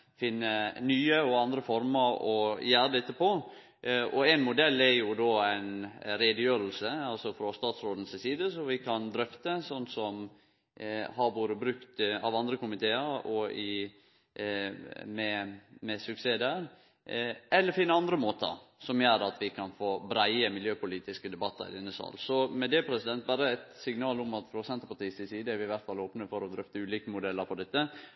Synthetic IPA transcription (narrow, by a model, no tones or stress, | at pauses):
fɪnːənyːəɔɑnd̪ɾəfɔɾməɾɔjæːɾəd̪ɛt̪ːəpɔ | ɔæɪnmʊd̪ɛlːæɾjʊd̪oːæɪnɾed̪əjøːɾəlsəɑlsɔfɾɑst̪ɑːt̪sɾoːd̪ən̩ssiːd̪əsɔʋɪkʰɑnd̪ɾœft̪əsɔnːsɔm | hɑɾboːɾəbɾʉkt̪ɑʋɑnd̪ɾəkʊmɪt̪ʰeːəɾɔɪ | mɛmɛsʉkseːd̪æːɾ | ɛlːəɾfɪnːəɑnd̪ɾəmoːt̪ə̰ɾsɔmjøːɾɑt̪ʋɪkʰɑnfoːbɾæɪəmɪljøːpʊliːt̪ɪskəd̪ɛbɑt̪ːə̰ɾɪ̰d̪ɛnːəsɑ̰ːlsɔmɛd̪ɛpʰɾɛsɪd̪ɛnt̪̚bɑːɾəæt̪sɪŋnɑːlʊmɑt̪fɾɔsɛnt̪əpɑʈ̪iːsɪsiːd̪əɛɾʋɪɪʋæɾt̪fɑloːpnəfɔɾɔd̪ɾœft̪əʉːliːkəmʊd̪ɛlːəɾpɔd̪ɛt̪ːə